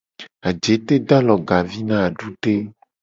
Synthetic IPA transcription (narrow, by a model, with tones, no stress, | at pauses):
a˨d͡ʒe˨˦t̪e˦d̪a˦lɔ˨ɡa˨vi˦nã˦a˨ɖu˦ɖe˦